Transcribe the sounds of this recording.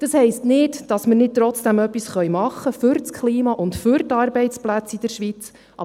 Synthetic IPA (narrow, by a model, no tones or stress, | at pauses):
d̥ɑshɛɪstnɪtd̥ɑsməɾnɪt̚t̪ɾɔt͡sd̥æmœpːisχœjmɑχːəfʏɾt͡skʰliːmɑʔʊntfʏɾtɑːɾbɛɪt͡splæt͡sid̥əɾʃʋit͡s | ʔɑ